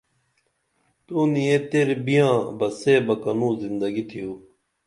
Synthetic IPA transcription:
t̪uːnijet̪eɾbijãːbɐseːbɐkɐnũːzind̪ɐɡit̪ʰijoː

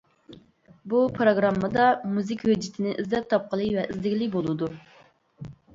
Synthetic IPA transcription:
bupʰɾoɡɾɑmːəd̪ɑmuzɪkʲhød͡ʒɪt̪ʰɪnɪʔizd̪ɛp̚t̪ʰɑp̚qəlˠɨvɛʔizd̪ɪkʲlɪkʲbolˠɨd̪u

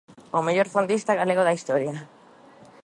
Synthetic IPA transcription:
omejoɾfond̪ist̪aɣalekoðaist̪oɾia

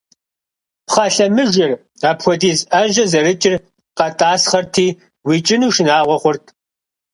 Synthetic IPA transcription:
pχɑɬɐmɨʒɪr | aːpxʷɔdiːzɐʒɐzɐɾɨt͡ʃʼɪr | qɐtʼaːsχɐrtʰiː | wiːt͡ʃʼɪnuːʃɪnaːʁʷɔχʷʊrtʰ

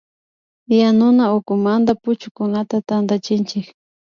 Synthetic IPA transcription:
janʊnaʊkʊmand̪apʊt͡ʃʊkʊnat̪at̪and̪at͡ʃɪnt͡ʃɪk

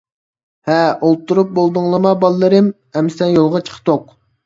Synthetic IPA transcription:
hɛʔol̚ˠt̪ʰːuɾup̚bolˠd̪uŋlˠəmɑbɑlˠːɨɾɨm | ɛmsɛnjolˠʁɑt͡ʃʰə̥qʰt̪oq̚

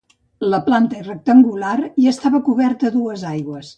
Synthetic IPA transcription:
ləplant̪əirək̚t̪əŋɡulariəst̪aβəkuβɛrt̪əðuəzajɣwəs

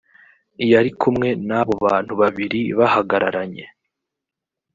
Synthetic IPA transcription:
ijaɾikʰumŋe̞naβo̞βaːn̥huβaβiɾiβahaɡaɾaɾaɲe̞

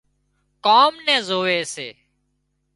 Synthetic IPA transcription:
kaːmnɛ̃ːzoːʋeːsḛː

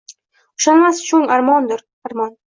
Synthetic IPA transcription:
ʊ̥ʃanmast͡ʃʰʊŋaɾmɒnd̪ɪɾ | aɾmɒn

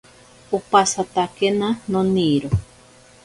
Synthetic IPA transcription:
upasat̪akenanõniɾo

